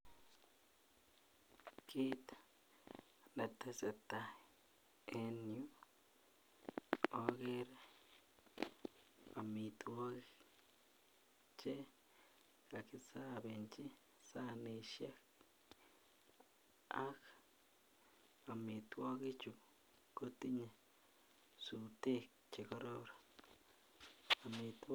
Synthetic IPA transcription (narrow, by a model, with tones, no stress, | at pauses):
ki˦t̪ | ne˨t̪e˧se˨t̪a˨ | e˦nju˦ | o˦ɡe˦ɾ | a˨mi˧t̪wo˦ɡi | t͡ʃe˦ | ɡ̥a˨ki˧sa˦be˨nt͡ʃi˦ | sa˦ni˧ʃa˦k | a˦k | a˨mi˨t̪wo˦ɡi˦t͡ʃu˨ | ko˦t̪i˦ɲa˨ | su˨t̪e˦k̚ | t͡ʃe˨ko˦ɾo˦˧ɾa˨ | a˨mi˧t̪